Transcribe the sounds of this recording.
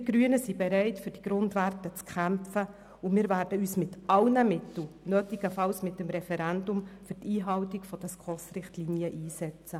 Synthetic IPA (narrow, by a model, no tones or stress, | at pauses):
ɡ̥ɾyənəsibɛɾɛɪtfɵɾd̥iɡ̥ɾʊndʋærtət͡skχæmfə | ʊmiːɾvæːɾd̥əyːsmɪtɑlnəmɪtl̩nøːtiɡ̥əfɑlsmɪtːəmɾɛfɛɾændʊmfʏrtiːɦɑwtiɡfɔd̥ɛskχɔsrɪχtlinjəʔiːsɛt͡st͡sə